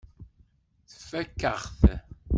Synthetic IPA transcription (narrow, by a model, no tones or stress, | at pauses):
θə̥fækːəʁθ